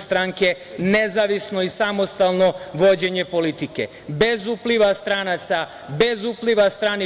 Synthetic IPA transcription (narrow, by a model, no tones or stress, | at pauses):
st̪ɾaŋke̞ | ne̞zaʋisno̞isamo̞st̪alˠno̞ʋo̞d͡ʑe̞ɲe̞po̞lit̪ikḛ | be̞zupliʋast̪ɾaːnat̪sa | be̞zupliʋast̪ɾaːni